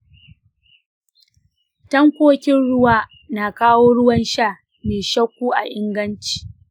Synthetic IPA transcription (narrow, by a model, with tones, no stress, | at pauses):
tɐ˦ŋkʷoː˦kʲɪ˦nɽʊ˦waː˦ | na˨kaː˦woː˦ɽʊ˦wɐ˦nʃaː˦˨ | meː˨ʃɐ˦kʷːuː˦ʔa̰˨ʔɪ˦ŋɡɐ˦nt͡ʃi̥ː˨